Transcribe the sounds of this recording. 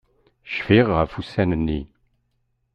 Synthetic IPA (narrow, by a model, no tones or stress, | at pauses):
ʃfiʁafusænənːi